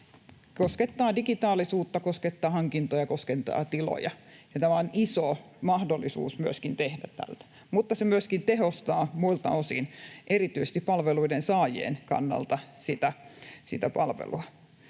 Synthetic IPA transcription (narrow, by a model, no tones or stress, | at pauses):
kosket̪ːɑːdikit̪ɑːlisuːt̪ːɑkosket̪ːɑːhɑŋkint̪ojɑkoskent̪ɑ̰ːt̪ilo̰jɑjɑt̪æmæoniso | mɑhdolːˑisṵːsmyøskint̪ehdætt̪æ̰lt̪æ̥ | mut̪ːɑsemyøskint̪ehost̪ɑːmuilt̪ɑ̰osḭnʔerit̪yise̥st̪ippɑlʋeluidensɑːjḛːnkɑ̰nːɑ̰lt̪ɑsit̪æsḭt̪æpɑlʋḛluɑ